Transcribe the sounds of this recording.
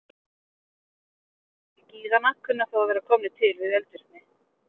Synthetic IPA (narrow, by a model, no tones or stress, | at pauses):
ɛciːðanahkʰːʏnːʏaθawaðvɛːɾakʰɔːmnɪt̪ʰɪlvɪðɛlt̪ʏɾt̪nɪ